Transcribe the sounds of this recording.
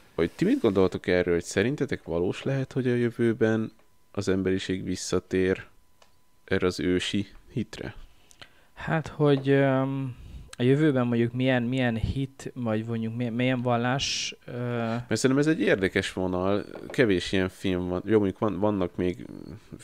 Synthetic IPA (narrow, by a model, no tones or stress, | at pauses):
ot̪imid̪ɡo̞nd̪olt̪o̞kɛrøːlho̞csɛɾint̪ɛt̪ɛkʋɒloːʃlɛɦɛt̪ho̞ɟɒjøvøːbɛn | ɒzɛmbɛɾiʃeːɡʋisːɒt̪eːɾ | ʔɛrɛɒzøːʃihit̪rɛ̰ | hat̪ho̞ɟ | ɒjøvøːbɛmːo̞ɲɟukmijɛnmijɛnhit̪vɒɟmo̞ɲɟukmimijɛɱvɒlːaːʃømɛrsɛnɛmɛzɛɟːeːrd̪ɛkɛʃʋo̞nɒlkɛveːʃijɛɱfilɱvɒnjomoɲɟukʋɒnvɒnːɒkmeːɡ